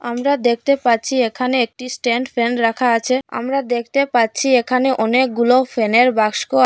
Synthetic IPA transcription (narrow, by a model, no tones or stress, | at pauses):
amɾad̪ek̚ʰt̪epaɾt͡ɕʰiekʰaneek̚ʈisʈeɳɖfɾenɾakʰaat͡ɕʰea̰mɾad̪ek̚ʰt̪epaɾt͡ɕʰiekʰaneʔɔnek̚ɡulofeneɾbakʃko